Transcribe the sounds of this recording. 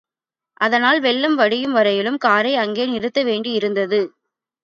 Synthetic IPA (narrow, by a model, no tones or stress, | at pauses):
ʔɐðɐnaːlʋɛɭːɯmʋɐɽɪjɯmʋɐɾɐjɪlɯmkaːɾɐɪɐŋɡeːnɪɾɯt̪ːɐʋeːɳɖiɪɾɯnd̪ɐðɯ